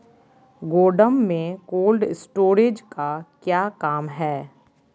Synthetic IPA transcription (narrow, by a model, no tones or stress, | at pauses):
ɡoːɖəmːẽkoːlɖɪsʈoːɾeːd͡ʒkakjaːkaːmɦɛː